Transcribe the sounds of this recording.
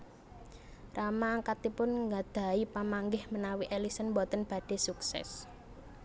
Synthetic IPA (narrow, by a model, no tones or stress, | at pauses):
ramaːŋkat̪ipʊnŋɡad̪̥a̤ipamaŋɡɪhmənawiʔelisənbɔt̪ənb̥ä̤d̥e̤suksɛ̰s